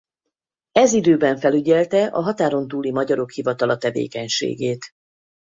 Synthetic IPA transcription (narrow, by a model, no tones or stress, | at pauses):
ɛzid̪øːbɛɱfɛlyɟɛlt̪ɛʔɒɦɒt̪aːɾo̞nt̪uːlimɒɟɒɾo̞khivɒt̪ɒlɒt̪ɛvḛːkɛɲʃḛːɡeːt̪